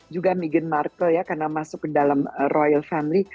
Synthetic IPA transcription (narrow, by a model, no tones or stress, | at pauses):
d͡ʒuɡamiɡənmarkəljakarnamasʊkːədalamərʔojalfamili